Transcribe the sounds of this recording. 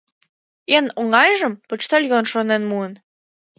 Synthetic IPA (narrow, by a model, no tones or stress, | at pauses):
enoŋɑjʒɤ̆mpɤ̆t͡ɕt̪olʲjonʃonenmuən